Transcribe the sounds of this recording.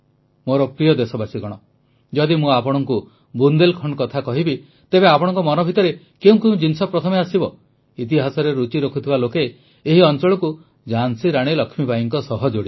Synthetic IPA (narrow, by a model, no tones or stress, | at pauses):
moɾɔpɾijɔd̪esɔbasiɡɔɽ̃ɔ | d͡ʒɔd̪imũapɔɽ̃ɔŋku | bund̪elkʰɔɳkɔt̪ʰakɔɦibi | t̪ebeapɔɽ̃ɔŋkɔmɔnɔbʱit̪ɔɾe | keũŋkeũd͡ʒinsɔpɾɔt̪ʰɔmeasibɔ | it̪̬iɦasɔɾeɾut͡ʃiɾokʰut̪ʰibalokeː | ɦiɔnt͡ʃɔɭɔku | d͡ʒansiɾaɽ̃ilɔkʰmibajiŋkɔsɔɦɔd͡ʒoɽi